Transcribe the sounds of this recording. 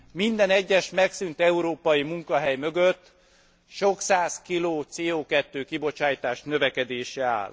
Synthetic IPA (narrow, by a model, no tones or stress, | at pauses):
mind̪ɛnɛɟːɛʃmɛksynt̪ɛuɾoːpɒjimuŋkɒɦɛjmø̞ɡøt̪ː | ʃo̞ksaːskiloːt̪seːoːkɛt̪ːøːkibo̞t͡ʃaːjt̪aːʃnø̞vɛkɛd̪eːʃɛa̰ːl